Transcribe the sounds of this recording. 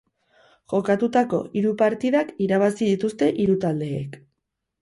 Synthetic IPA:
ʝo̞kat̪ut̪ako̞̰iɾupaɾt̪iðakiɾaβ̞asið̞it̪ust̪e̞ʔiɾut̪ald̪e̞̰ːk

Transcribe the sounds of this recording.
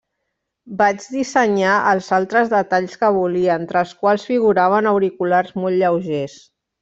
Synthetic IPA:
bad͡ʒd̪isəɲaʔəlˠzalˠt̪ɾəzðət̪aʎskəβuliəənt̪ɾəlˠskwalˠsfiɣuɾaβ̞ənəwɾikularzmolʎəwʒes

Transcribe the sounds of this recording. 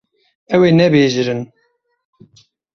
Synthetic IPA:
ɛweːnɛbeːʒɨɾɨn

